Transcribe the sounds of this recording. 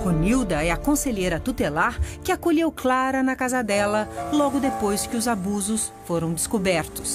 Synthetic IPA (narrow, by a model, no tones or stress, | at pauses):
honiwd̪ɐɛɐkõseʎejɾɐt̪ut̪elaɾkɪakoʎewklaɾɐnɐkazɐd̪ɛlɐlɔɡʊd̪epojskɪʊzabuzʊs | foɾɐ̃w̃d̪ɪskobɛɾt̪ʊ̥s